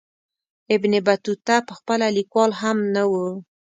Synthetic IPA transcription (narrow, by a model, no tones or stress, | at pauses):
ɪbnɪbat̪ut̪apəxpəlalikwɑlɦamnawu